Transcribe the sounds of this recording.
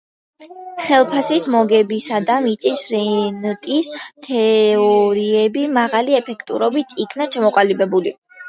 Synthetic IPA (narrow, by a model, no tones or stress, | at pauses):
χɛlˠpʰasismɔɡɛbisad̪amit̪sʼisɾɛnt̪ʼist̪ʰɛɔɾiɛbimaʁaliɛpʰɛkʰt̪ʼṵɾɔbit̪ʰikʰnat͡ʃʰamɔqʼalibɛbuli